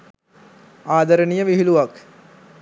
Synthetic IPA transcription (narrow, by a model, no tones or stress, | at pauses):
aːd̪ɐɾɐnijɐʋiɦiluʋɐk